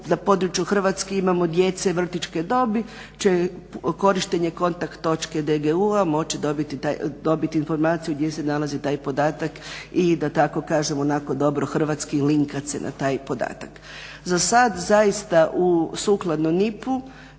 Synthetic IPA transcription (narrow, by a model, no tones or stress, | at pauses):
napoːd̪ɾut͡ʃjuxr̩ʋat̪skeimamo̞d̪je̞t̪se̞ʋr̩t̪it͡ʃke̞d̪o̞bi | t͡ʃe̞ko̞ɾiʃt̪eɲeko̞nt̪akt̪ːo̞t͡ʃke̞d̪eɡeuamo̞t͡ʃid̪obit̪it̪ad̪o̞bit̪iːnfo̞ɾmaːt̪sijuɡd̪je̞se̞nalˠazit̪aːjpo̞d̪aːt̪akid̪at̪ako̞kaːʒemo̞nako̞d̪o̞bɾo̞xr̩ʋat̪skiliŋkat̪sḛnʔa̰t̪aːjpo̞d̪a̰ːt̪ak | zasad̪zajist̪aʔusuːklˠad̪nomnipu